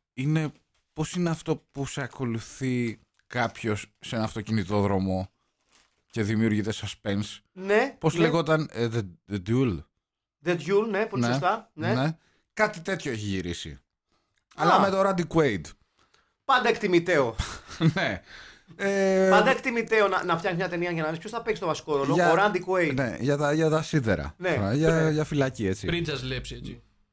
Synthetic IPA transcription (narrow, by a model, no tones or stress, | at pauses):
ine̞ | po̞sineɐft̪o̞puseɐko̞luθi | kɐpço̞sːe̞nɐnɐft̪o̞cinit̪o̞ðɾo̞mo̞ | ce̞ðimiuɾʝit̪e̞sɐspensnepo̞zleɣot̪ɐnðeed̪ul | ðed̪ʝulneponest̪ɐnene | kɐt̪it̪e̞t̪çoeçiʝiɾisḭ | ɐlɐmet̪oɾɐnd̪ikwejd̪ | pɐnd̪ɐekt̪imit̪e̞one̞ | epɐnd̪ɐekt̪imit̪eonɐnɐftjɐksismɲɐt̪e̞niɐʝɐnɐnispço̞sθɐpekst̪vɐsi̥ko̞ɾo̞loɐoɾɐnd̪ikwejt̪nḛʝɐt̪ɐʝɐt̪ɐsiðḛɾɐ̰neʝɐʝɐfilɐcie̞t͡sḭpɾid͡zɐzlepsiei